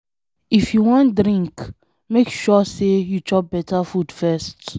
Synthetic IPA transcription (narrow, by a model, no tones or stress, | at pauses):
ifjuwɔ̃ntdɹĩŋk | mekʃɔsejut͡ʃɔp̚bɛtʰəfudfɛst